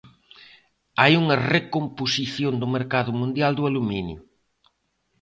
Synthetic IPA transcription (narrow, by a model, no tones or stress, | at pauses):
ajuŋɐrekomposiθjond̪ʊmeɾkaðʊmũnd̪jald̪ʊaluminjʊ